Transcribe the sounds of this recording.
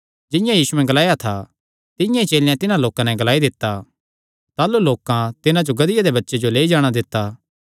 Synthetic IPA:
d͡ʒɪ̃jãjiːsuɛ̃ɡɐlaːjat̪ʰa | t̪ɪjãit͡ʃeːljãt̪ɪnãloːkãnɛɡɐlaːid̪ɪt̪ːaː | t̪aːluloːkãt̪ɪnãd͡ʒoɡɐd̪ɪjad̪ebɐtːʃed͡ʒoleːid͡ʒaːɽ̃ad̪ɪt̪ːaː

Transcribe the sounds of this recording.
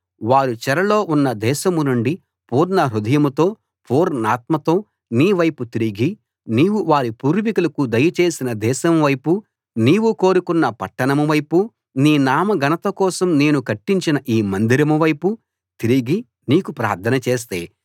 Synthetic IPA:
ʋaːɾut͡ʃɛɾɐlo̞ːʔunːɐd̪ɛːʃɐmunuɳɖi | puːɾnɐɾud̪ɐjɐmut̪o̞ː | puːɾnaːt̪mɐt̪o̞ː | niːʋɐjput̪iɾiɡi | niːwuʋaːɾipuːɾʋikulɐkud̪ɐjɐt͡ʃe̞ːsinɐd̪ɛːʃɐmʋɐjpu | niːwuko̞ːɾukunːɐpɐʈːɐɳɐmuʋɐjpu | niːnaːmɐɡɐnɐt̪ɐkɔːsɐmne̞ːnukɐʈːiɲt͡ʃinɐʔiːmɐnd̪iɾɐmuʋɐjpu | t̪iɾiɡi | niːkupɾa̰ːɾt̪ʰɐnɐt͡ʃe̞ːs̬t̪e̞̰ː

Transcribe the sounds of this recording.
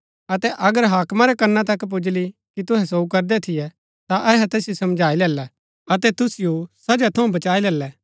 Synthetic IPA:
ɐt̪ɛʔɐɡəɾɦaːkmaɾɛkɐnːãt̪ɐkp̬ʊd͡ʒlikit̪ʊɦɛs̬oːukɐɾd̪ɛt̪ʰɪjɛ | t̪aʔɛɦɛt̪eːsjosɐmd͡ʒʱaːilɛːlɛ | ɐt̪ɛt̪ʊsɪjusɐd͡ʒat̪ʰɐũbɐt͡ʃaːilɛːlɛː

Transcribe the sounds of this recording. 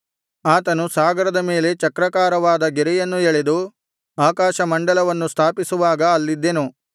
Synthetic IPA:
aːt̪ɐnusaːɡɐɾɐd̪ɐme̞ːle̞t͡ʃɐkɾɐkaːɾɐʋaːd̪ɐɡeɾɛjɐnːueɭed̪u | aːkaːʃɐmɐɳɖɐlɐʋɐnːust̪ʰaːpisuʋaːɡɐɐlːid̪ːenu

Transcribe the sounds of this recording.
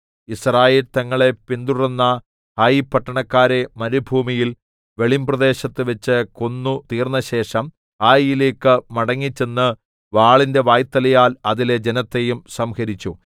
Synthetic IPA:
israːjeːlt̪ɐŋːɐɭe̞pind̪urunːɐ | haːjipːɐʈːɐɳɐkːaːɾe̞mɐɾubʱuːmijil | ʋe̞ɭimbrɐd̪e̞ːɕɐt̪ːɨʋɐt͡ɕːɨkonːut̪iːrnːɐɕe̞ːʂɐm | haːjjile̞ːkːɨmɐɽɐŋːit͡ɕːenːɨ | ʋaːɭinde̞ʋaːjt̪ːɐlɐjaːlɐðile̞d͡ʑenɐt̪ːe̞jumsɐmhɐɾit͡ɕːu

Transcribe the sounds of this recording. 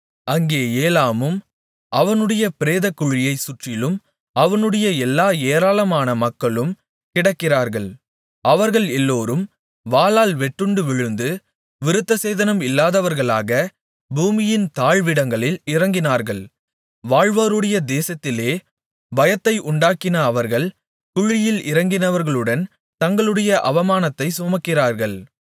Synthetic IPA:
ɐŋɡeːeːlaːmɯm | ʔɐʋɐnɯɽɐjɐpɪɾeːðɐkːʊɻɪjɐɪsʊʈrɪlɯm | ɐʋɐnɯɽɐjɐɛlːaːeːɾaːlɐmaːnɐmɐkːɐɭɯm | kɪɽɐkːɪraːɾɣɐɭ | ɐʋɐɾɣɐɭɛlːoːɾɯm | ʋaːlaːlʋɛʈːɯɳɖɯʋɪɻɯnd̪ɯ | ʋɪɾɯt̪ːɐseːðɐnɐmɪlːaːðɐʋɐɾɣɐɭaːɣɐ | buːmɪjɪnt̪aːɻʋɪɽɐŋɡɐɭɪlɪrɐŋɡɪnaːɾɣɐɭ | ʋaːɻʋɐːɾɯɽɐjɐd̪eːsɐt̪ːɪleː | bɐjɐt̪ːɐɪʔʊɳɖaːkɪnɐːʋɐɾɣɐɭ | kʊɻɪjɪlɪ̰ɾɐŋɡɪnɐʋɐɾɣɐɭɯɽɐn | t̪ɐŋɡɐɭɯɽɐjɐʔɐʋɐmaːnɐt̪ːɐɪsʊmɐkːɪraːɾɣɐɭ

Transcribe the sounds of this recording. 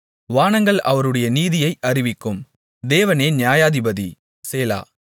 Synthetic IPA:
ʋaːnɐŋɡɐɭʔɐʋɐɾɯɽɐjɐniːðɪjɐɪʔɐrɪʋɪkːɯm | d̪eːʋɐneːnjaːjaːðɪbɐði | seːla̰ː

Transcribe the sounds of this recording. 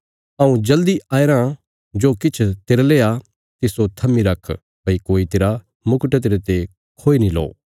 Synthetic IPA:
ɐũd͡ʒɐld̪iaːɾã | d͡ʒoːkɪt͡ʃʰt̪eɾlea | t̪ɪsot̪ʰɐmiɾɐkʰ | bɐikoːit̪eɾa | mʊkəʈt̪eɾet̪e | kʰoːinĩlɔ̰ː

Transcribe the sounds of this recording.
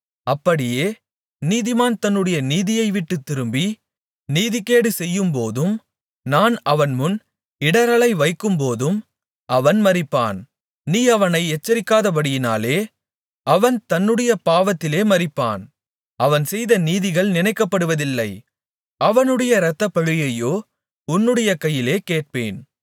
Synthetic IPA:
ɐpːɐɽɪjeː | niːðɪmaːnt̪ɐnːɯɽɐjɐniːðɪjɐɪʋɪʈːɯt̪ːɪɾɯmbi | niːðɪkːeːɽɯsɛjːɯmpoːðɯm | naːnɐʋɐnmʊn | ɪɽɐɾɐɭɐɪʋɐɪkːɯmpoːðɯm | ʔɐʋɐnmɐɾɪpːa̰ːn | niːɐʋɐnɐɪɛt͡ʃːɐɾɪkːaːðɐbɐɽɪjɪna̰ːleː | ɐʋɐnt̪ɐnːɯɽɐjɐpaːʋɐt̪ːɪleːmɐɾɪpːa̰ːn | ɐʋɐnsɛjðɐniːðɪɣɐɭnɪnɐɪkːɐpːɐɽɯʋɐðɪlːɐɪ | ɐʋɐnɯɽɐjɐɾɐt̪ːɐpːɐɻɯjɐjoː | ʊnːɯɽɐjɐkɐjːɪleːkeːʈ̚peːn

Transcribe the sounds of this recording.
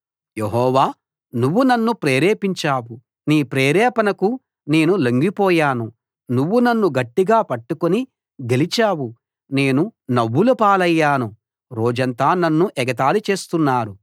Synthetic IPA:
jeɦɔːʋaː | nuʋːunɐnːupɾeːɾeːpiɲt͡ʃaːwu | niːpɾeːɾɛːpɐnɐku | ne̞ːnulemɡipɔːjaːnu | nuʋːunɐnːuɡɐʈːiɡaːpɐʈːukoni | ɡe̞lit͡ʃaːwu | ne̞ːnunɐʋːulupaːlɐjːaːnu | ɾo̞ːd͡ʒɐnt̪aːnɐnːuʔɛɡɐt̪̬aːlut͡ʃeːst̪unːaːɾu

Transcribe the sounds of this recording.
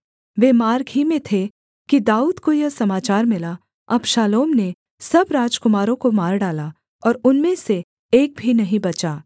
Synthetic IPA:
ʋeːmaːɾɡʱimẽt̪ʰe | kid̪aːuːd̪kojɐsɐmaːt͡ʃaːɾmɪla | ɐbʃaːloːmne | sɐbɾaːd͡ʒkʊmaːɾõkomaːɾɖaːla | ɔːɾʊnmẽse | eːk̚bʱinɐɦĩbɐt͡ʃaː

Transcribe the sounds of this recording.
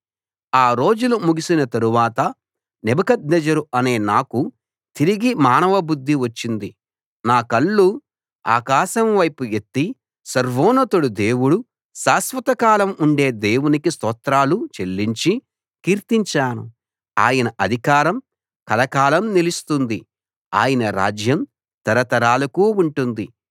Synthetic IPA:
aːɾo̞ːd͡ʒulumuɡisinɐt̪ɐɾuʋaːt̪ɐ | nɛbɐkɐd̪nɛd͡ʒɐɾuɐne̞ːnaːku | t̪iɾiɡimaːnɐʋɐbud̪ʱːiʋɐt͡ʃːind̪i | naːkɐɭːu | a̰ːkaːʃɐmʋɐjpujet̪ːi | sɐɾʋɔːnɐt̪uɽud̪e̞ːwuɽu | ʃaːsʋɐt̪ɐkaːlɐmuɳɖe̞ːd̪e̞ːwunikist̪ɔːt̪ɾaːlut͡ʃelːiɲt͡ʃi | kiːɾt̪iɲt͡ʃaːnṵ | a̰ːjɐnɐʔɐd̪ʱikaːɾɐm | kɐlɐkaːlɐmnilist̪und̪i | a̰ːjɐnɐɾa̰ːd͡ʒjɐm | t̪ɐɾɐt̪ɐɾaːlɐkuːuɳʈund̪i

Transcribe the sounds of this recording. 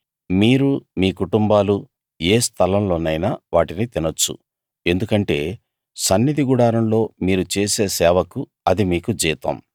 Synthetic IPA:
miːɾumiːkuʈumbaːlu | eːst̪ʰɐlɐmlo̞ːnɐjnaʋaːʈinit̪inɐt͡ʃːṵ | e̞nd̪ukɐɳʈe̞ː | sɐnːid̪ʱiɡuɽaːɾɐmlo̞ːmiːɾut͡ʃe̞ːse̞ːsɛːʋɐku | ɐd̪imiːkud͡ʒiːt̪ɐ̰m

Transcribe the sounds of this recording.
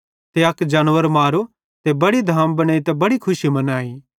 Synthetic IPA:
t̪eɐkd͡ʒaːnʋəɾmaːɾu | t̪ebɐɽid̪ʱaːmbɐɽ̃aːit̪ɛbɐɽikʰʊsimɐnaːiː

